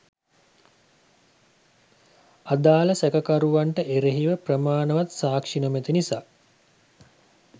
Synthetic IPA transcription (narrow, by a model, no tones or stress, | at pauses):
ad̪aːləsækəkaɾuʋaɳʈəʔeɾeɦiʋəprəmaːnəʋat̪saːkʂinəmet̪inisaː